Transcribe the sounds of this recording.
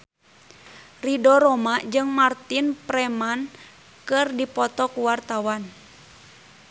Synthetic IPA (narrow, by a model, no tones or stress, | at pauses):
ridɔɾɔmad͡ʒɨŋmart̪inpɾɛman | kɨrdipɔt̪ɔkuwart̪awan